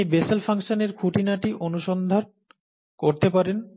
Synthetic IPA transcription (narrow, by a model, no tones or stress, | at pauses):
ebeselfʰaŋʃoneɾkʰuʈinaʈiʔonuʃond̪ʱon | koɾt̪epaɾen